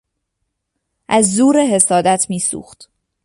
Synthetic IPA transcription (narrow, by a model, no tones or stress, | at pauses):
ʔæzːuːɾeɦe̞sɒːd̪æt̪ʰmiːsṵːxt̪